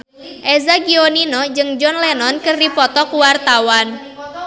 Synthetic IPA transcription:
ʔezaɡioninɔd͡ʒɨŋd͡ʒɔnlɛnɔnkɨrdipɔt̪ɔkuwart̪awan

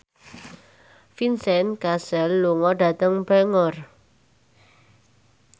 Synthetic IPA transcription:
finsɛnkasɛlːuŋɔɖä̤t̪əŋbɛŋɔr

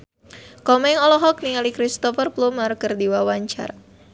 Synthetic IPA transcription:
kɔmɛŋɔlɔɦɔk̚niŋalikɾist̪ɔfərplumarkərdiwawaɲt͡ʃa̰r

